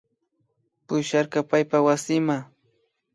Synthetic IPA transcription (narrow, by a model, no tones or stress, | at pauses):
pʊʃaɾkɑpajpawasɪma